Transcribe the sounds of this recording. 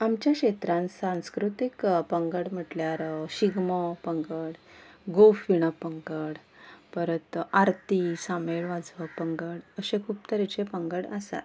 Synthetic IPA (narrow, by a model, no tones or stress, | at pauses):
amt͡ɕjakɕet̪ɾãnsãskɾut̪ikpəŋɡəɽm̤əʈljaɾɕiɡməpəŋɡəɽɡofʋiɽ̃əpəŋɡəɽ | pəɾət̪aɾt̪isameɭʋad͡zʋəpəŋɡəɽəsẽkʰuːpt̪əɾet͡ɕepəŋɡəɽasa̰t̪